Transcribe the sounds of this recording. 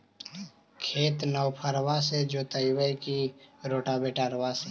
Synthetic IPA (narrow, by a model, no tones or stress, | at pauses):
kʰeːt̪nəwpʰəɾwased͡ʒoːt̪əiwəikiɾoːʈabeːʈaɾwase